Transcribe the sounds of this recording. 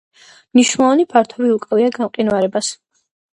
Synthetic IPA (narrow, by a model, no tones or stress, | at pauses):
mniʃnlˠɔvanipʰaɾt̪ʰɔbiukʼaviaɡamqʼinvwaɾɛbas